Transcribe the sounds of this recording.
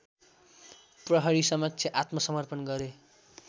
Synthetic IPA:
prʌɦʌɾisʌmʌk̚t͡sʰʌʔat̪mʌsʌmʌrpʌnɡʌɾe

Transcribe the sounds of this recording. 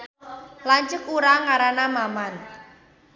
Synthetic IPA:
laɲt͡ʃəkuɾaŋaɾanamaman

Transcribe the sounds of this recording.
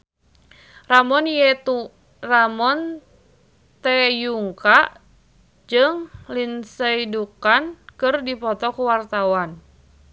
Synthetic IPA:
ramɔnijɛt̪u | ramɔn | t̪ɛjuŋkaʔ | d͡ʒɨŋlinsəidukankɨrdipɔt̪ɔkuwart̪awan

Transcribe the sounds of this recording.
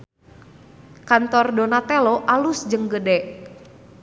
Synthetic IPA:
kant̪ɔrdonat̪eloʔalʊsd͡ʒəŋɡədɛʔ

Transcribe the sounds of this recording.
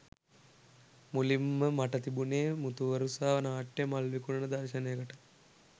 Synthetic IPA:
mulimːəmaʈət̪ibuneːmut̪uʋəɾusaːʋənaːʈːemalʋikunənəd̪arʃənejəkəʈə

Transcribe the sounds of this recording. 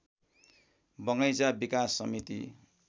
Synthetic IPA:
bʌŋʌjd͡zabikasːʌmit̪ḭ

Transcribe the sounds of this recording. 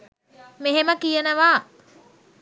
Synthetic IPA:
meɦeməkijənəʋaː

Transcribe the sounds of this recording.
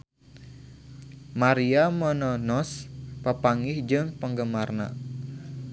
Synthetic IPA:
maɾiamɔnɔnɔspəpaŋɪhd͡ʒɨŋpəŋɡəmarna̰

